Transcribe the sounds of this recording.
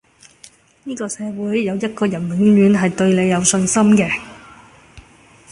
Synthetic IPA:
niː˥kɔː˧sɛː˨˧wuː˨˥jːɐ˨˧wjɐ˥t̚kɔː˧jɐ˨˩nwɪ˨˥ŋɥyː˨˧nɦɐ˨jt̪ɵ˧ɥle˨˧jːɐ˨˧wsɵ˧nsɐ˥mkɛː˧

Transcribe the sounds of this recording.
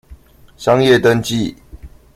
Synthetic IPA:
ɕɑ˦ŋjɛ˥˨t̪ə˦nt͡ɕi˥˨

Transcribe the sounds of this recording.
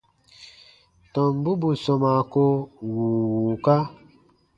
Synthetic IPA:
tɔ̃˨m˦bu˦bu˨sɔ̃˨ma˨ko˦wuː˨wu˨ka˦

